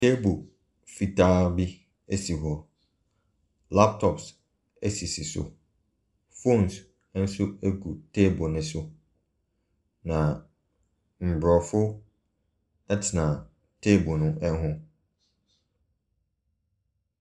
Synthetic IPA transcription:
tʰe˦bʊ˨ | fi˨tʰa˦bi˦ | e˦si˨ɦɔ˨ | la˦p̚tʰɔ˨ps | ɛ˦si˨si˨sʊ̰˨ | fõ˦˨ns | n̩˦sʊ˦e˦ɡu˨tʰe˦bʊ˨nɪ̃˨sʊ˦ | nã˨ | m̩˨bɾɔ˨fʊ˦ | ɛ˦tʰɪ˨nã˨ | tʰe˦bʊ˨nʊ̃˦ʔɛ˦ɦʊ̃˦

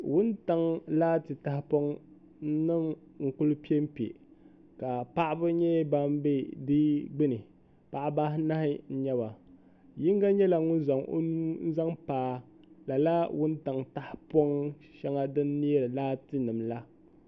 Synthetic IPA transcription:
wʊ˦nta˨ŋlaː˦tɨ˨ta˨hɪ˦po˦ŋ | n̩˦nɨ˦mŋ̩˨kʊ˦lɨ˦pi˦e˦m̩˦pḛ˨ | ka˨pa˦ʔbɨ˦ɲɛ˦ba˦m˦be˦dɨ˦ɡ͡bɨ˦nɨ˨ | pa˨ʔba˦hna˦hɪ˦n̩˦ɲɛ˦ba˨ | ji˦ŋ˦ɡa˦ɲɛ˦la˨ŋʊ˦za˨ŋʔo̰˦nu˦n̩˦za˦ŋpaː˨˦ | la˨la˦wʊ˦nta˨ŋta˦hɪ˦po˦ŋ | ʃɛ˦ŋa˦dɨ˦nːi˦ɛ˦ɾlaː˦tɨ˦nɨ˨mla˦

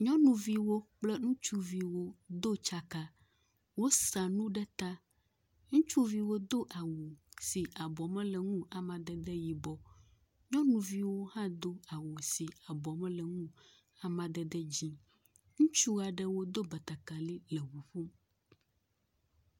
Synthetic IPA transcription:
ɲɔ̃˦nũ˨vi˦wo˦k͡plɛ˦ŋũ˦t͡ʃu˦vi˨wo˦d̪o˦t͡ʃa˦ka˦ | wo˦sa˨nũ˦ɖɛ˦t̪a˦ | ŋũ˦t͡ʃu˦vi˨wo˦d̪o˦ʔa˨wo˨si˨ʔa˨bɔ˨mɛ̃˦lɛ˨ŋũ˦a˨mã˨d̪ɛ˦d̪ɛ˦ji˨bɔ˦ | ɲɔ̃˦nũ˨vi˦wo˦hã˦d̪o˦a˨wo˨si˨a˨bɔ˨mɛ̃˦lɛ˨ŋũ˦ | a˨mã˨d̪ɛ˦d̪ɛ˦d͡ʑi˦ | ŋũ˦t͡ʃu˦a˨ɖɛ˦wo˦d̪o˦bɛ˨t̪a˨ka˨li˦lɛ˨βu˨ɸu˦m

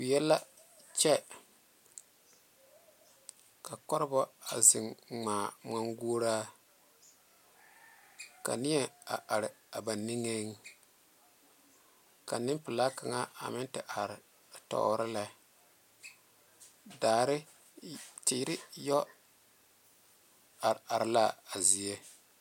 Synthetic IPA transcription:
kʊ˨jɛ˦lːa˦ | t͡ʃɛ˦ | ka˨kɔ˦ɾɨ˦bɔ˦a̰˨zɪ˨ŋŋ͡maː˨ma˨ŋɡo˦ɾa˦ | ka̰˨nɪ˦ɛ˦a˨ʔa˨ɾɪ˨a˨ba˨nːi˦ŋe˦ŋ˦ | ka˨nɪ˦mpɪ˨la˦ka˨ŋa˦a̰˨mɪ˦ntɪ˨ʔa˨ɾɪ˨ | tɔ̰ː˨˦ɾɪ˦la˨ | daː˨ɾɪ˦ | ti˨ɾɪ˦jɔ˦ | a˨a˨ɾɪ˨la˦˨a˨zi˨je˦

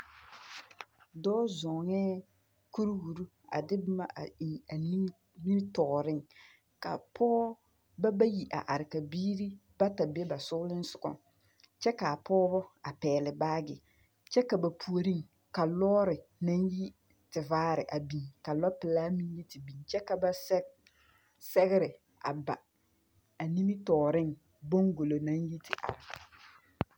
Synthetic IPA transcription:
dɔː˦zɔ˨ŋɛː˦ | ku˦ɾhu˨ɾu˦ | a̰˨dɪ˦bma˦˨i˨a˨ni˦ | ni˦m˦tɔ˨ɾɪ˦ŋ | ka˨pʰɔː˦ | ba˦ba˦ji˨ʔa̰˨ʔa˨ɾɪ˨ka˨biː˦ɾi˦ba˦ta˨be˦ba˨sʊ˦lɪ˦n˦sʊ˨kɔ̰˨ | t͡ʃɛ˦ka˨pɔː˦bɔ˦a˨pɛː˨lɪ˨baː˦ɡɪ̰˨ | t͡ʃɛ˦ka˨ba˨pʰu˨o˨ɾi˦ŋ | ka˨lɔː˦ɾɪ˨na˦nji˦ | tɪ˨vaː˦ɾɪ˨ʔa˨bi˨ŋka˨lɔ˦pɪ˨laː˦mi˦n˦ji˦ti˨bi˨nt͡ʃɛ˦ka˨ba˦ | sɛ˦ɣɪ˦ɾɪ˨ | a̰˨ba˨ | a˨ni˦mi˦tɔː˨ɾɪ˦ŋ | bo˦ŋɡo˨lo˨nã˦nji˦tʰɪ˨ʔa̰˨ɾɪ˨ka˨

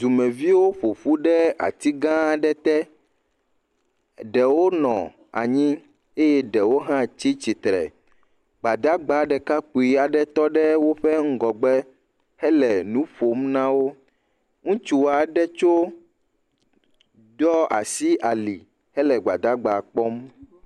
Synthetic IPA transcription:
d̪u˨mɛ̃˨vi˦wo˦ɸo˨ɸu˦ɖɛ˦a̰˨t̪i˦ɡã˦ɖɛ˦t̪ɛ˦ | ɖɛ˨wo˦nɔ̰̃˨ | a̰˨ɲĩ˦ | e˦jɛ˦ɖɛ˨wo˦ɦã˦t͡ɕi˦t͡ɕi˨t̪ɾɛ̰˨ | ɡ͡ba˨d̪a˦ɡ͡ba˨˦ɖɛ˨ka˦k͡pu˨i˨a˨ɖɛ˦t̪ɔ˦ɖɛ˦wo˦ɸɛ˦ŋ̩˦ɡɔ˨ɡ͡bɛ˦ | hɛ˦lɛ˨nũ˦ɸo˨mnã˦wo˦ | ŋũ˦t͡ʃu˨a˨ɖɛ˦t͡ʃo˦ | dɔ˦a̰˨si˦ʔa˨li˨ | hɛ˦lɛ˨ɡ͡ba̰˨d̪a˦ɡ͡ba˨k͡pɔ˦m

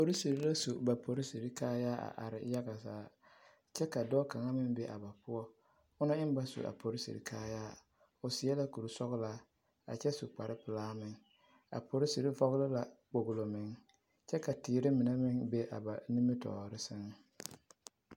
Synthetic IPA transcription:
po˨ɾi˦si˨ɾi˦la˦su˨ba˨pʰo˨ɾi˦si˨ɾi˦kaː˦jaː˦a̰˨ʔa˨ɾɪ̰˨ja˦ɡa˨saː˨˦ | t͡ʃɛ˦ka˨dɔː˦ka˨ŋa˦mɪ˦ŋbe˦ʔa˨ba˨pʊ˦ɔ˦ | ʊ˦na˦ɪ˦m˦ba˦sṵ˨ʔa̰˨pʰo˨ɾɪ˦sḭ˨ɾḭ˨kʰaː˦jaː˦ | ʊ˨sɪ˨˦ɛ˦la˦ku˨ɾu˨sɔ˦ɣla˨˦ | a̰˨t͡ʃɛ˦sṵ˨k͡pa˨ɾɪ˦pɪ˨laː˦mɪ˨ŋ | a̰˨pʰo˨ɾɪ˦si˨ɾi˦fɔ˦ɣlɪ˦la˨k͡po˨ɡʊ˨lo˨mɪ˨ŋ | t͡ʃɛ˦ka˨tiː˨ɾɪ˦mɪ˨na˦mɪ˦ŋbe˦ʔa̰˨ba˨ni˦mɪ˦tɔ̰ː˨ɾɪ˦sɪ˦ŋ˦

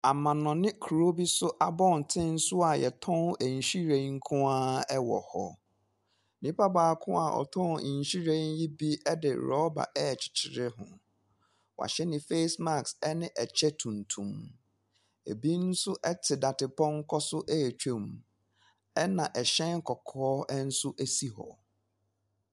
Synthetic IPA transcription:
a˨mã˨nɔ̃˨nɪ̃˦kʰu˨ɾo˦bi˦sʊ˦ʔa˦bɔ̃˦˨n˨tʰɪ̃˦n̩˦sʊ˦a˨jɛ̰˨tʰɔ̃˦n˦æ˨ɲ̩˨ɕi˦ɾẽ˨˦ŋ̩˦kʰʊ̃˦a˦ɛ˦wɔ̰˨hɔ̰˨ | nĩ˦pa˦baː˨kʰʊ̃˦a̰˨ʔɔ̰˨tʰɔ̃˦˨ɲ̩˨ɕi˦ɾẽ˦nji˦bi˦ɛ˦dɪ̰˨ɾɔ˦ba̰˨ʔɛ˦˨t͡ɕʰɪ̥˨t͡ɕʰɪ˨ɾɪ˦ɦʊ̰̃˨ | wa̰˨ɕɛ˦nɪ̃˨fe˦sma˦˨ksɛ˦nɪ̃˦ʔɛ˨t͡ɕʰɛ˦tʰũ˨n˨tʰũ˨m | e˨bi˦n̩˦sʊ˦ʔɛ˦tʰɪ˨da˨tɪ˨pɔ̃˦ŋ˦kʰɔ˦sʊ˦ʔɛ˦˨t͡ɕʰᶣo˨m | ɛ˦nã˨ʔɛ˨ɕɛ̃˦ŋ˦kʰɔ˨kʰɔː˦ʔɛ˦n̩˦sʊ˦ʔæ˦si˦hɔ̰˨

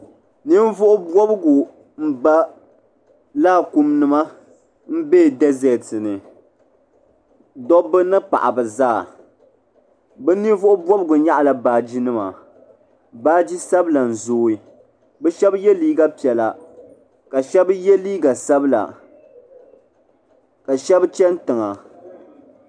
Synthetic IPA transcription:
ni˦n˦vʊ˦ʔʊ˦bwɔ˦bɨ˦ɡʊ˨ | m̩˦ba˦ | laː˦˨ku˦mnɨ˨ma˦ | m̩˦beː˦˨dɛ˦zɛ˨tɨ˨nɨ˨ | dɔ˦bɨ˦nɨ˦pa̰˨ʔa̰˨bɨ˨zaː˦˨ | bɛ˦ni˦vʊ˦ʔʊ˦bɔ˦bɨ˦ɡʊ˨ɲa˦ʔa˨la˨baː˨d͡ʒi˦nɨ˦ma̰˨ | baː˦d͡ʒi˦sa˦bla˨n̩˨zoː˦i˦ | bɛ˦ʃɛ˦bjɛ˦liː˦ɡa˦pi˨ɛ˨la˨ | ka˨ʃɛ˦bjɛ˦liː˦ɡa˨sa˦bla̰˨ | ka˨ʃɛ˦bt͡ʃɛ˦n˦tɨ˨ŋa˨

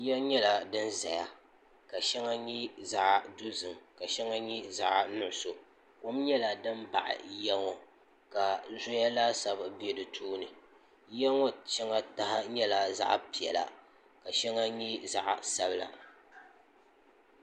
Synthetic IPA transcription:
jɛ˦ɲɛ˦la˨dɨ˦nza˨ja˦ | ka˨ʃɛ˦ŋa˦ɲi˦za˦ʔdu˦zɨ˨mka˨ʃɛ˦ŋa˦ɲi˦za˦ʔnʊ˦ʔʊ˦so˨ | ko˦m˦ɲɛ˦la˨dɨ˦m˦ba̰˨ʔɪ̰˨jɛ˦ŋɔ˨ | ka˨zo˦ja˦laː˦sa˦bbe˦dɨ˨tʰuː˦nɨ˨ | jɛ˦ŋɔ˦t͡ʃɛ˦ŋa˦ta˦ɦa˦ɲɛ˦la˨za̰˦ʔpi˨ɛ̰˨la̰˨ | ka˨ʃɛ˦ŋa˦ɲi˦za˦ʔsa˦bɨ˦la̰˨

